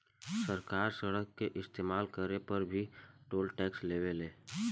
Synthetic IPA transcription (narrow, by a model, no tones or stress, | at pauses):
səɾkaːɾsəɽəkːeʔɪst̪eːmaːlkəɾepəɾbʱiʈoːlʈɛːksleːʋeleː